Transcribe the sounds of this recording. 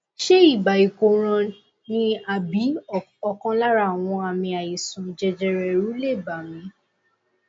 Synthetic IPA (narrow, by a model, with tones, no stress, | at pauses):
ʃe˦i˦˨ba˨i˨ko˨ɾ̃ã˧ | nĩ˧a˨bi˨˦ | ɔ˧kã˧la˦ɾa˦˨w̃ɔ̃˧a˨mĩ˧a˨ji˨sũ˨d͡ʒɛ˧d͡ʒɛ˧ɾɛ˧ɾu˨˦le˦˨ba˨mĩ˧